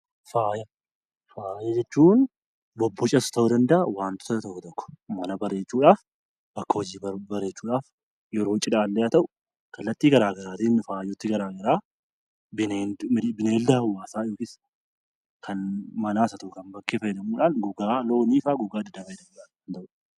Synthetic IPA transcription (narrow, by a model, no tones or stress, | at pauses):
faːjɐ | faːjɐd͡ʒɛt͡ʃːuːn | bɔbːɔt͡ʃʼɐsʊ̥t̪ɐʊd̪ɐnd̪ɐʔɐwaːnt̪ʊ̥t̪t̪ɔkːɔt̪ɔkːɔ̥mɐnɐbɐrːe̞ːt͡ʃːuːᶑaːf | bɐkːɐhɔd͡ʒiːbɐrːeːt͡ʃːuːᶑaːf | jɛɾo̞ːt͡ʃʼɪᶑaːlːeɐt̪ɐʔʊ | kɐlːɐt̪ːiːɡɐɾaːɡɐɾaːt̪ɪnfaːjʊt̪ːɪɡɐɾaːɡɐɾaː | bɪnebɪneːld̪ɐhɐwaːsaːɪjoːkiːs | kʰɐnmɐnaːsɐt̪ɐʔʊkɐmbɐkːeːfɐjɛd̪ɐmuːᶑaːnɡʊɡaːlo̞ːniːfaːɡʊɡaːd̪ɪd̪ɐfɐjd̪ɐmuːᶑaːnnt̪ɐʔʊ